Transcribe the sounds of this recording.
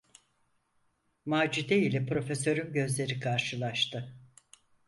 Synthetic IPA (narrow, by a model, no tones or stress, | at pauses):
maːd͡ʒid̪eilʲɛpɾo̞fe̞sø̞ɾynɟø̞zlʲe̞ɾikʰaɾʃɯlˠaʃt̪ʰɯ